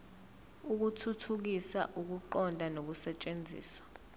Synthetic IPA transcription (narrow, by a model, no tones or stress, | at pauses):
uk̬utʰutʰuk̬isa̰ʔuk̬uǃɔndʱanok̬usɛt͡ʃʼend͡zʱḭːswḁ